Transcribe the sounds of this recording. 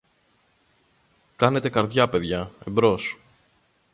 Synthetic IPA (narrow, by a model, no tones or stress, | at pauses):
kɐne̞t̪e̞kɐɾðʝɐpe̞ðʝɐebɾo̞s